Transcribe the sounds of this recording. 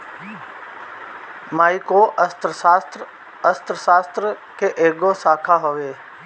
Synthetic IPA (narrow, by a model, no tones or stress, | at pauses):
maːikoʔəst̪ɾət̪ | əst̪ɾəsaːst̪ɾə | keʔeːɡosaːkʰaɦoʋeː